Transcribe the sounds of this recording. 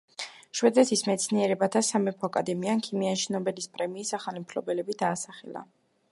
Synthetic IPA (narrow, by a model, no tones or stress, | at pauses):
ʃwɛd̪ɛt̪ʰismɛt̪sʰniɛɾɛbat̪ʰasamɛpʰɔakʼad̪ɛmiankʰimianʃinɔbɛlispʼɾɛmiːsaχalimpʰlɔbɛlɛbid̪aːsaχɛ̰la̰